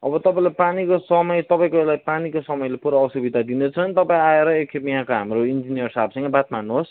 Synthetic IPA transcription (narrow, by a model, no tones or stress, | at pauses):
ʌbʌt̪ʌpãĩlapanikosʌmʌjt̪ʌpãĩkoelajpanikosʌmʌjlepuɾaːsubid̪ʱad̪inet͡sʰʌnt̪ʌpãĩaeɾʌekkʰepjɦãkoɦamɾoind͡zinijʌrsabsʌ̃ŋɡʌbat̪manːuɦos